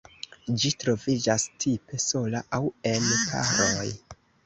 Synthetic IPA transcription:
d͡ʒitɾo̞vid͡ʒastʰipe̞so̞laʔawe̞lkʰa̰ɾoj

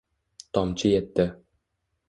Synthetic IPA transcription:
t̪ɒmt͡ʃʰɪjɛt̪ːɪ

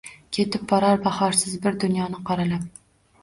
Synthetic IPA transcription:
kʲʰe̞t̪ɪp̚bɒɾɒɾbahɒɾsɪzbɪɾd̪ʊnjɒnɪqʰɑɾalap̚

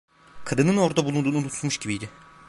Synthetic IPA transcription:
kʰad̪ɯnɯno̞ɾd̪abulˠund̪uːnunut̪ʰu̥t̪muʃɟibijd̪ɪ

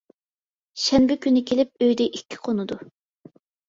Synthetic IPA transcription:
ʃɛnbɪkʲynɪkʲʰelɪp̚øjd̪ɛʔikʲːi̥qʰonɨd̪u

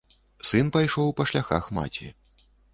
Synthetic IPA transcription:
sɨnpajʂɔwpɐʂlʲaxa̰xma̰t͡sʲḭ

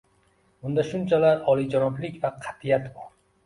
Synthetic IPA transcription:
bʊnd̪aʃʊnt͡ʃʰalaɾɒlˠid͡ʒanɒblɪkʲvaqʰɑt̪ʰijat̪bɒɾ

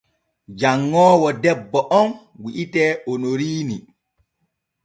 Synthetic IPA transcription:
d͡ʒaŋːɔːwɔdɛbːɔʔɔn | wiʔitɛːonoɾiːni

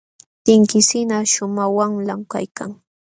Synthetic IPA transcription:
t̪ɪŋkɪsɪnaʃʊmawaŋlamka̰jkaŋ

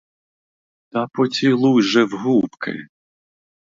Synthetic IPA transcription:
t̪ɐpɔt͡sʲilˠujʒɛwɦupkɪ̰

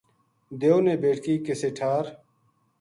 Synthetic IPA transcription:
d̪eoneːbeːʈʰkiːkeseʈʰaːɾ

